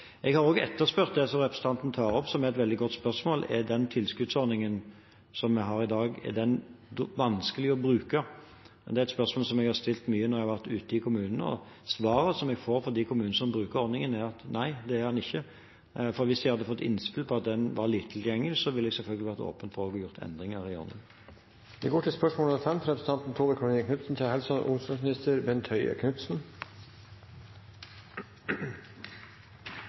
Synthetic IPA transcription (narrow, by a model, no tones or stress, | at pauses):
ɛɡhɑɾoːɡɛ̰t̪ːəɾspœɾt̪̚d̪ɛsɔɾɛpɾəsn̩t̪ʰɑnt̪n̩t̪ʰɑːɾɔpːsɔmɛɾɛt̪ʋɛld̪ɪɡɔt̪spœsmoːlɛ̰d̪ɛnt̪ʰɪlskʉd̪sɔɾnɪŋən | sɔmːɛɦɑːɾɪd̪ɑːɡɛ̰d̪ɛnʋɑnskəlɪɔbɾʉːkə | d̪ɛæɾɛt̪spœɾsmoːlsɔmɛɡhɑʁst̪ɪlt̪myːənɔɾjɛɡhɑʋæʁt̪ʉːt̪əɪkʰʊmʉːnənəɔ̰ | sʋɑːɾəsɔmɛɡfoːɾfɔɾd̪æɪkʰʊmʉːnəsɔmbɾʉːkəɾɔɾd̪nɪŋənæɾɑt̪næɪd̪ɛæɾʁhɑnɪçːə | fɔɾʋɪsjæhɑd̪ːəfɔt̪ːɪ̰nːspɪlpʰɔɑt̪̚d̪ɛnʋɑʁliːt̪ːʰɪljɛŋɪsɔʋɪlːɛɡsɛlfœlɡəlɪʋæʁt̪o̰ːpənt̪fɔʁɔɡjʊʁt̪ʰɛ̰nd̪ʁɪŋəɾɪɔ̰nə̰n | ʋ̪ɪɡoːʈʰɪlspœʂmoːləfɛmt̪ʰɾɛpɾəsn̩t̪ʰɑnt̪n̩t̪ʰoːləkʰʉnəkʰnʉt̪sn̩t̪ʰɪhɛlsɔnʔʊ̰nsd̪ɑŋsmɪnɪst̪əɾbɛnt̪ʰœʏə̰kʰnʉt̪sn̩